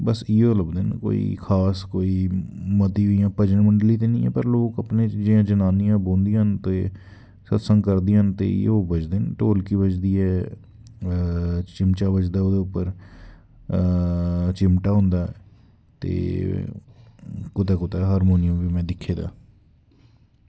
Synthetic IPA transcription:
bəsɪoːləbd̪eːnko̰ːḭːkʰaːskoːiːmət̪iːɦoiːjãːpəd͡ʒəɳməɳɖliːt̪eːnḭ̃ːɛ̰ːpəɾloːkəpneːd͡ʒɪãːd͡ʒənaːnijãːbõːnd̪ijãɦənt̪eː | sət̪sə̃ŋɡkəɾd̪iɦənt̪ḛːɪ̰joːbət͡ʃd̪eːnʈoːlkiːbət͡ʃd̪iːɛː | t͡ʃɪmt͡ʃaːbət͡ʃd̪aːoːd̪eːʊpːəɾ | t͡ʃɪmʈaːɦʊ̃ːnd̪aːɛː | t̪ḛː | kʊt̪aːkʊt̪aːɦaːɾmoːnɪjə̃ːʋiːmɛ̃ːd̪ɪkʰːeːd̪a̰ː

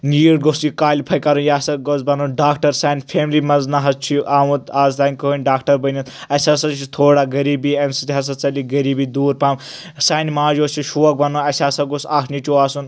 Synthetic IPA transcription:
niːɽɡosikaːlʲipʰɐjkɐɾunjaːsɐɡozbɐnoɖaːkʈɐɾsaːnʲpʰeːmlimɐznɐɦɐzt͡ʃʰiʔaːwũt̪aːzt̪aːnʲkəɦənʲɖaːkʈɐɾbɐnʲɐt̪ɐsʲasɐt͡ʃʰit̪ʰoːɽaɡɐɾiːbiːɐnsit̪iɦɐs̬ɐt͡sɐliɡɐɾiːbid̪uːɾpaːm | saːnmaːd͡ʒoːt͡ʃʰiʃuʋɐk̚bɐnoɐsʲaːsɐɡosaːkʰnit͡ʃʲuaːsun

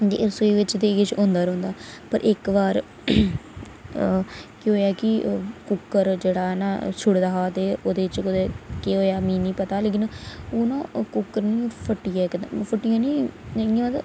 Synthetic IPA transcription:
d̪ḭːʔəɾsːiːʋɪt͡ʃd̪eːɡɪt͡ʃõːnd̪aːɾõːnd̪aːpəɾʔɪkʋaːɾ | keɦoːjaːkɪkʊkːəɾd͡ʒeːɽaːnaːt͡ʃʰʊɽd̪aɦaːt̪eːoːd̪eːt͡ʃkʊd̪eːkeɦoːjaːmĩːnĩːpət̪aːleːk̬ɪnoːnãːkʊkːəɾnĩːpʰəʈːiːaːk̪pʰəʈːijãːnĩːãmət̪

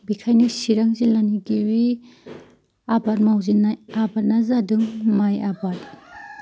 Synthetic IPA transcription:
bikʰajnisiɾaŋzilaniɡiwi | abat̚mawzinajabat̚nazadɯŋmajabat̚

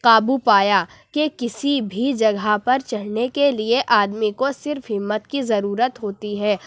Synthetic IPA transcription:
qaːbupaːja | kekɪsibʱid͡ʒɐɡʱapɐɾt͡ʃɐlnekelieʔaːd̪mikosɪɾfɦɪmːət̪kizɐɾuːɾət̪ɦoːt̪iɦɛː

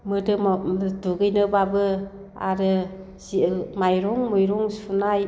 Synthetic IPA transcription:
mɯdɯduɡɯjnɯbabɯ | a̰ɾɯ | zimajɾɔŋmujɾɔŋsunaj

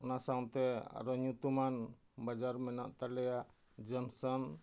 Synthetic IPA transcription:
ɔnasawt̪ɛa̰ɾɔɲut̪uman | bad͡ʒaɾmɛnaʔt̪alɛja | d͡ʒɔnsɔn

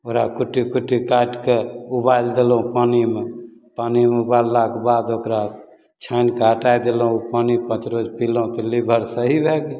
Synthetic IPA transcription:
oɾakuʈːikuʈːikaʈkeubajld̪elũpanimepanimeubalːakbad̪okɾa | t͡ʃʰankeɦəʈajd̪elũupanipə̃t͡ʃɾod͡ʒpiloũt̪ɔlibʱəɾsəɦibʱeɡe

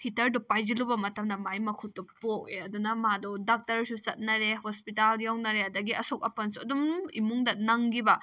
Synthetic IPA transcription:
hitɐɾdɔpajd͡ʒilubɐmɐtɐmdɐmajmɐkʰutːɔpok̚eɐdunɐmadɔdak̚tɐɾsut͡ʃɐt̚nɐɾehospitaljawnɐɾeɐdɐɡiɐsok̚ɐpɐnsuɐdumḭmuŋdɐnɐŋɡibɐ

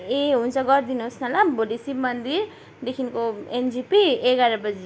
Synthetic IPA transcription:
eɦũnt͡sʰʌɡʌrd̪inuɦosnʌlaboɖisimʌnd̪iɾ | d̪ekʰinkoend͡zipieɡaɾʌbʌd͡zi

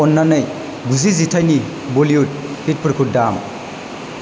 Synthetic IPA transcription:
ɔnːanɯj | ɡuzizitʰajni | bɔliut̚hit̚pəɾkʰut̚dam

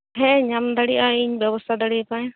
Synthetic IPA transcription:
ɦɛ̃ɲamd̪aɽijʔaiɲbjəbɔst̪ʰad̪aɽipãj

